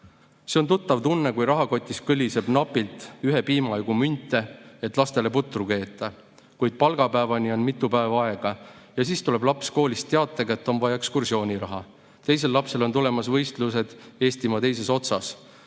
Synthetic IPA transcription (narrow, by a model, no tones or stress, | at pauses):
se̞o̞nt̪ut̪ːˑɑvt̪unːe̞kujɾɑɦɑko̞t̪ʲˑːiskɯlʲːise̞b̥nɑpːˑilt̪ˑyɦe̞piːmɑjɡumynʲt̪ːˑe̞et̪ːˑlɑst̪e̞le̞put̪ːˑruke̞ːt̪ːˑɑ | kujd̪̥̚pɑlɡɑpæːvɑnʲio̞nmit̪ːˑupæevɑɑe̞ɡ̥ɑjɑsiːst̪ule̞blɑpsko̞ːlist̪ːeɑt̪ːˑɑɡɑe̞t̪ːˑo̞nvɑjɑekskursio̞ːnʲiɾɑɦɑ | t̪e̞js̬e̞lːɑpse̞lo̞nt̪ule̞mɑsvɤ̞jst̪luse̞d̪̥e̞ːst̪imɑt̪e̞jse̞so̞t̪sɑs